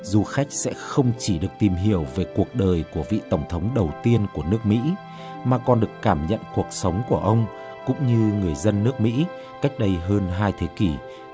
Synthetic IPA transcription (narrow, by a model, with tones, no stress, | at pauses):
zu˧˩xa˦˥jk̟̚sɛ̰˧˥xə˧wŋ͡mt͡ɕi˧˩ɗɨ˨˩ək̚t̪i˨˩mɦi˧˩əwve˨˩ku˨˩ək̚ɗəː˨˩jku˧˩əvḭ˧˨t̪ə˧˩wŋ͡mt̪ʰə˨˦wŋ͡mɗə˨˩wt̪i˧ənku˧˩ənɨ˦˥ək̚mḭ˧˥ | maː˨˩kɔ˨˩nɗɨ˨˩əkːaː˧˩mɲə̰˧˨nku˨˩ək̚sə˨˦wŋ͡mku˧˩əʔə˧wŋ͡m | kʊ̰˧˥ŋ͡mɲɨ˧ŋɨ˨˩əjzə˧nːɨ˦˥ək̚mḭ˧˥ | ka˦˥jk̟̚ɗə˧jɦəː˧nɦaː˧jt̪ʰe˨˦ki˧˩